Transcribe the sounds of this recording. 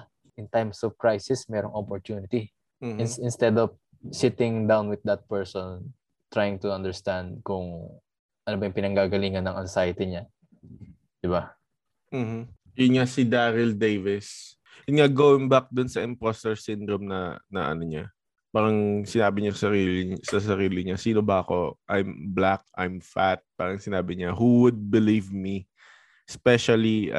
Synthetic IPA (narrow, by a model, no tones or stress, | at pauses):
ʔɪnt̪ajmsɔvkɹajsɪsmɛːɾoŋʔopɔɹt̪unɪt̪i | m̩ːnɪnst̪ɛd̪ɔv | sɪt̪ɪ̃ŋd̪awnwɪð̚dɐt̪̚pɛɹsɔn | t̪ɹajɪŋt̪ʊɐnd̪ɛɹst̪ãnd̪̚kʊŋ | ʔɐnobajʊ̃ŋpɪnɐŋɡaːɡɐliːŋɐnːɐŋʔɐnsajt̪ɪɲa | d̪̥ɪba | m̩ːm̩ | jʊnŋasɪd̪aːɾɪld̪ejvɪs | ɪnŋaɡoːwɪŋbak̚d̪ʊnsɐʔɪmpost̪ɛɹsɪnd̪ɾomnɐnɐ̰ʔɐ̰noɲa | paːɾɐŋsɪnaːbɪɲassɐɾiːlɪsɐs̬ɐɾiːlɪɲasiːno̞bɐʔɐko̞ʔajmblak̚ʔa̰jmfat̪̚paːɾɐŋsɪnaːbɪɲahuwʊd̪̚bɪlivmi | spɛʃɐli